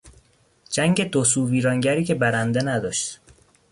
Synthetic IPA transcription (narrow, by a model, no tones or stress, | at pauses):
d͡ʒæŋɟe̞d̪osuviːɾɒːŋɟæɾiːcʰe̞bæɾænd̪enæd̪ɒːʃt̪